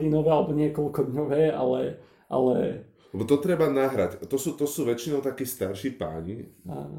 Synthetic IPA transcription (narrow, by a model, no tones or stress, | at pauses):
linɔʋɛːalɛbɔɲɪɛkɔlkɔd̪ɲɔʋɛːa̰lɛ | ʔa̰lɛ̰ | lɛbɔt̪ɔt̪ɾɛbanaɦɾact̪ɔsuːt̪ɔsuːʋɛt͡ʃinɔʊt̪akiːst̪aɾʃiːpa̰ːɲḭa̰ːnɔ